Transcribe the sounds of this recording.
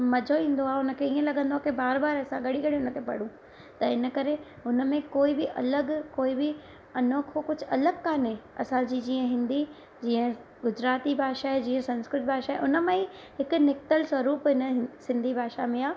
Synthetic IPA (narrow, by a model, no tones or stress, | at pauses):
mɐd͡ʑʱoĩːnd̪oaːɦeʊnə̆kʰeiːə̃lɐɠə̃nd̪oakʰebaːɾbaːɾɐsãɡɐɽiɡɐɽ̤ĩʊnəkʰepɐ̰ɽ̤ũ | t̪ɐɪnə̆kɐɾe | ʊnəmẽkoːibɪʔɐ̰ləɡkoːibɪ | ɐnoːkʰokʊd͡ʑʱɐləɡkaːneɐsãd͡ʑiːd͡ʑiːə̃ɦɪ̃nd̪i | d͡ʑiːə̃ | ɡʊd͡ʑɾaːt̪ibʱaːʃaɦed͡ʑiːə̃sɐ̃nskɾɪʈ̚bʱaːʃaɦeʔʊnə̆mẽiɦɪkʊ̆nɪk̚t̪əlswɐɾuːpɦɪnəsɪ̃nd̪ʱibʱaːʃa̰mẽaː